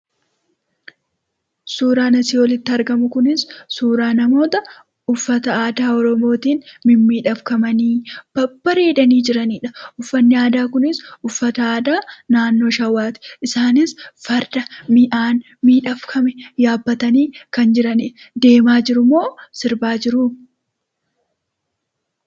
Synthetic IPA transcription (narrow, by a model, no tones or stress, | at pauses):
suːɾaːnɐsɪɔlɪt̪ːɪɐɾɡɐmʊkʊnɪsːuːɾaːnɐmo̞ːt̪ɐ | ʊfːɐt̪ɐaːd̪aːɔɾɔmo̞ːt̪iːnmɪmːiːᶑɐfkɐmɐniːb̥ɐbːɐɾeːᶑɐniːd͡ʒɪɾɐniːᶑɐʔʊfːɐnːɪaːd̪aːkʊnɪsʊfːɐt̪ɐaːd̪aːnaːnːo̞ːʃɐwːaːt̪ɪ̥ʔɪsaːnɪsfɐɾd̪ɐmɪʔaːn | miːᶑɐfkʰɐmɛjaːbːɐt̪ɐniːkɐnd͡ʒɪɾɐnɪ | d̪e̞ːmaːd͡ʒɪɾʊmoːsɪɾbaːd͡ʒɪɾʊ